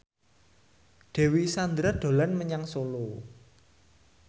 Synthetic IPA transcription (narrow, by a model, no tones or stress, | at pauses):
ɖ̪̥ɛ̤wisand̪ɾad̥o̤lanməɲaŋsolo